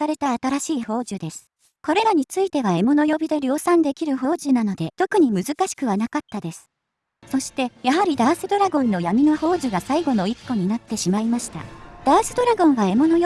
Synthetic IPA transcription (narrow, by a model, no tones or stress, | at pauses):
aɾe̞t̪aːt̪aɾaɕiːho̞ːʑɨd̪e̞sɨ̥ | ko̞ɾe̞ɾaɲ̟it͡sɨit̪e̞βae̞mo̞no̞jo̞bʲid̪e̞ɾʲo̞ːsãnd̪e̞kʲiɾɯ̟ɦo̞ːʑɨnano̞d̪e̞t̪o̞kɯ̟ɲ̟imɯ̟zɨkaɕi̥kɯ̟β̞anakat̪ːad̪e̞sɨ̥ | so̞ɕi̥t̪e̞jaɦaɾʲid̪aːsɨd̪o̞ɾaɡõ̞nːo̞jamʲino̞ho̞ːʑɨɡasaiɡo̞no̞ikːo̞ɲ̟inat̪ːe̞ɕimaimaɕi̥t̪a̰d̪̥aːsɨd̪o̞ɾaɡõ̞ɰ̃βae̞mo̞noj